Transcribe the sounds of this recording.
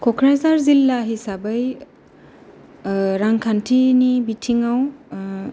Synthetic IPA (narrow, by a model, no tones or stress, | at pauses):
kʰɔkʰɹazaɹzilːaɦisabəj | ɹaŋkʰantʰinibitʰiŋaw